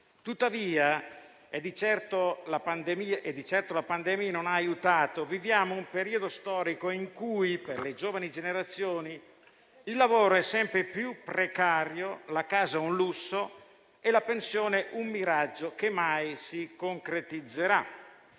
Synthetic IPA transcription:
t̪ut̪ːaviːa | ed̪it͡ʃɛrt̪olapand̪emiaʔed̪ːit͡ʃɛrt̪olapand̪ɛmiːanonaːjut̪aːt̪ovivjaːmoumpeɾiːod̪ost̪ɔːɾikoiŋkujperled͡ʒoːvanid͡ʒeneɾat̪sːjoːni | ilːavoːɾoɛsːɛmpɾepjupɾekaːɾjolakaːzaunlusːo | elapensjoːneʔumːiɾad͡ʒːokemːajsikoŋkɾet̪id̪zːeɾa

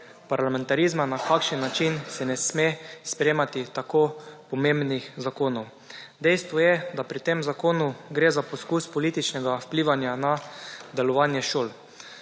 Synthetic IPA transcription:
paɾlamɛ̃nt̪aɾizmanakakʃənːat͡ʃinsɛnɛsmespɾemat̪it̪akopɔmẽmbnixzakoːnɔw | d̪ɛjst̪ʋɔjɛd̪apɾit̪emzakoːnuɡɾeːzapɔskuːspɔliːt̪it͡ʃnɛɡawpliːʋanjanad̪ɛlɔʋaːnjɛʃoːl

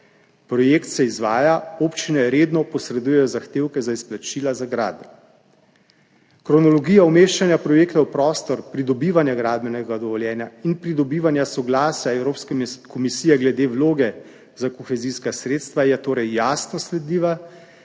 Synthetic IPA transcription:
pɾɔjeːkt̪sɛizʋaːjaoːpt͡ʃinɛɾeːd̪nɔpɔsɾɛd̪ujɛjɔzaxt̪eːwkɛzaisplat͡ʃiːlazaɡɾa̰ːd̪ | kɾɔnɔlɔɡiːjaɔmeʃt͡ʃanjapɾɔjeːkt̪awpɾɔːst̪ɔɾpɾid̪ɔbiːʋanjaɡɾaːd̪bɛnɛɡad̪ɔʋɔljɛːnjainpɾid̪ɔbiːʋanjasɔɡlaːsaɛwɾoːpskɛkɔmisiːjɛɡlɛd̪eːwloːɡɛ | zakɔxɛziskasɾeːt̪st̪ʋajɛt̪oːɾɛjːaːsnɔslɛd̪liːʋa

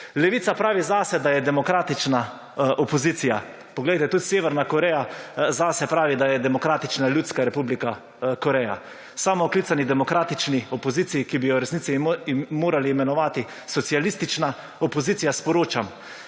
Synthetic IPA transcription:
lɛʋiːsapɾaːʋizasɛd̪ajɛd̪ɛmɔkɾaːt̪it͡ʃna | ʔɔpɔziːt̪sija | pɔɡledjt̪ɛt̪ut̪seːʋɛɾnakɔɾɛjazasɛpɾaːʋid̪ajɛd̪ɛmɔkɾaːt̪it͡ʃnalʲjuːt̪skaɾɛpublika | kɔɾɛja̰ | saːmɔklit̪sanid̪ɛmɔkɾaːt̪it͡ʃniɔpɔziːt̪sijikibijɔɾɛsnit̪imːoːɾaliːmɛnɔʋaːt̪i | sɔt̪sialist̪it͡ʃna | ɔpɔziːt̪ijaspɔɾoːt͡ʃam

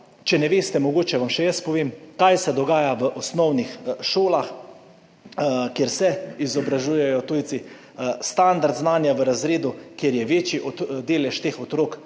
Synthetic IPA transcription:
t͡ʃɛnɛʋeːst̪ɛmɔɡoːt͡ʃɛʋamʃɛjəspɔʋeːmkajsɛd̪ɔɡaːjaʋəʔɔsnɔwnixʃoːlax | kjeɾsɛizɔbɾaʒuːjɛjɔt̪uːjt̪si | st̪and̪aɾd̪znaːnjaʋəɾazɾeːd̪ukjeɾjɛʋeːt͡ʃiʔɔd̪eːlɛʃt̪eːxɔt̪ɾoːk

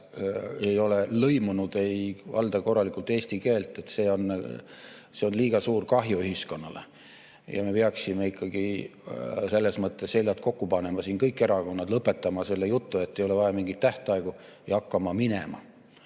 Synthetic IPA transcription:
ejo̞le̞lɤ̞jmunud̪̥e̞jvɑ̰ld̪̥ɑko̞rːɑlikˑult̪ːˑeːsʲt̪ike̞ːlt̪ːˑe̞t̪ːse̞ːo̞n | seo̞nliːɡ̥ɑsuːrkɑɦjoyɦisko̞nːɑ̰lḛ | jɑ̰me̞peɑksime̞ikʰːɑɡ̥i | se̞lːe̞smɤt̪ːˑe̞shelʲjɑt̪̚ko̞kːupɑne̞mɑsiːnkɤjkːˑeɾɑko̞nːɑd̪lɤpːˑe̞t̪ːˑɑmɑse̞lːejut̪ːue̞t̪ːe̞jo̞le̞vɑjɑmiŋɡit̪ːæht̪ɑeɡ̥u | jɑkːɑmɑminḛmɑ̰

